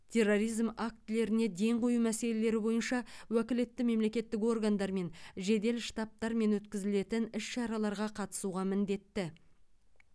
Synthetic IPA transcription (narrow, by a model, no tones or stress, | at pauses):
t̪ʲʰe̞rːo̞ɾijzmak̚t̪ːɪle̞ɾɪne̞d̪e̞ŋqʰo̞jumæse̞le̞le̞ɾɪbo̞jənʃɑwækʲɪle̞t̪ːɪme̞mle̞kʲe̞t̪ːɪk̬o̞rɡand̪ɑɾme̞nʒe̞d̪e̞lʃt̪ɑp̚t̪ɑɾme̞nwɵt̪kʲɪzɪle̞t̪ɪnɪsʃɑɾɑlˠɑɾʁɑqʰɑt̪ə̥suʁɑmɪnd̪e̞t̪ːɪ